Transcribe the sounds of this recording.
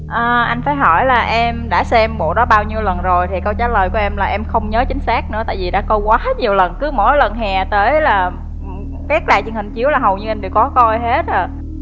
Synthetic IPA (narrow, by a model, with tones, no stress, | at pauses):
ʔəː˨˩ʔa˧jŋ̟faː˧˩jɦɔ˧˩jlaː˨˩ʔɛ˧mɗa̰ː˧˥sɛ˧mɓo̰˧˨ɗɔ˨˦ɓaː˧wɲi˧əwlə˨˩nzo˨˩jt̪ʰi˨˩kə˧wt͡ɕaː˨˦ləː˨˩jku˧˩əʔɛ˧mlaː˨˩ʔɛ˧mxə˧wŋ͡mɲəː˨˦t͡ɕï˨˦ŋ̟saː˦˥k̚nɨ̰˧˥ət̪a̰ː˧˨jvi˨˩ɗa̰ː˧˥kɔ˧kwaː˨˦ɲi˨˩əwlə˨˩nkɨ˨˦mo̰˧˥˦jlə˨˩nɦɛ˨˩t̪əː˨˦jlaː˨˩˨ | kaː˦˥k̚ɗa̰ː˧˨jt͡ɕɨ˨ənhï˨˩ŋ̟t͡ɕi˨˦əwlaː˨˩ɦə˨˩wɲɨ˧ʔa˧mɗɨ˨˩əwkɔ˨˦kɔ˧jɦe˦˥t̚ʔəː˨˩